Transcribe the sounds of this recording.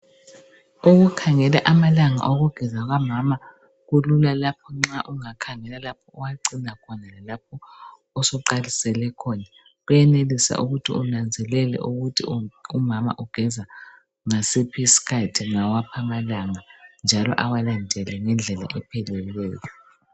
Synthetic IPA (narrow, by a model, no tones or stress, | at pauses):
uɣukʰaŋɛlaʔamalaŋa̰ʔoɣuɡ̥ʱɛzaɣamama | ɣululalapʰɔŋ͡ǁaʔuŋakʰaŋɛlalap̚ʰɔɔwaǀinakʰɔnalalap̚ʰɔ | ɔsɔǃalisɛlɛkʰɔna | ɣujɛnelisa̰ʔuɣutʰḭunand͡zʱɛlɛlɛ̰ʔuɣutʰiumama̰ʔuɡ̥ʱɛza | ŋasipʰisi̥kʰatʰiŋawapʰamalaŋand͡ʒʱalɔ̰ʔawalandʱɛlɛŋɛnd͡ɮʱɛla̰ʔɛpʰɛlɛlɛːjɔ